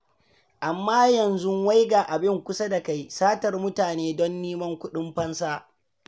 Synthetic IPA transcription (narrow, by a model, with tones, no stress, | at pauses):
ʔa˨mːaː˦jɐ˨nzʊ˦wa˦jɡaː˨ʔa˨bɪ˦˨ŋkʷʊ˦sa˦da˨ka˦jsaː˦tɐ˨rmʊ˦taː˨neː˦dɔ˦nːiː˦mɐ˦ŋkʷʊ˦ɗɪ˦mɸɐ˦nsaː˦